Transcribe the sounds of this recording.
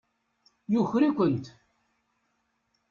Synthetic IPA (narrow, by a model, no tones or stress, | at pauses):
jʊçɾikʷənt̪